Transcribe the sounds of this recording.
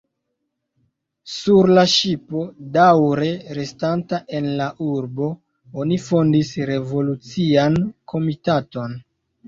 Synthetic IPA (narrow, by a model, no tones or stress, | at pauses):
suɾlaʃipo̞dawɾe̞ɾe̞stantaʔe̞nlaʔuɾbo̞ | onifo̞ndisɾe̞vo̞lut͡siankʰo̞mitato̞n